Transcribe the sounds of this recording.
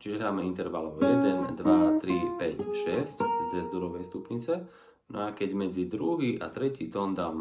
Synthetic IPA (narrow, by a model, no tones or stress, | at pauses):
t͡ʃiʒɛɦɾaːmɛint̪ɛɾʋalɔʊjɛd̪ɛnd̪ʋat̪ɾipɛcʃɛsczd̪ɛzd̪uɾɔʋɛjst̪upɲit͡sɛ | nɔakɛɟmɛd͡zid̪ɾuɦiʔa̰t̪ɾɛcit̪ɔnd̪aːm